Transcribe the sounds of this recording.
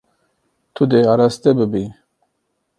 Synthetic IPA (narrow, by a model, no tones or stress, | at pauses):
t̪ʰud̪eaɾast̪ebɨbi